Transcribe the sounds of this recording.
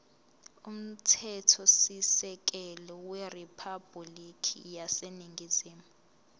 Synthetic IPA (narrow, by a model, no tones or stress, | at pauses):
um̩tʰɛtʰɔsisɛk̬ɛlɔwɛripʰab̥ʱulikʰḭjaseniŋɡʱiz̥iːmuu